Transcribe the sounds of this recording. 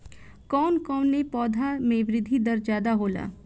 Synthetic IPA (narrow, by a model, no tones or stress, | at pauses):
kɔːnkɔːnːepɔːd̪ʱamẽʋɾɪd̪ʱːid̪əɾd͡ʒjaːd̪aɦoːla̰ː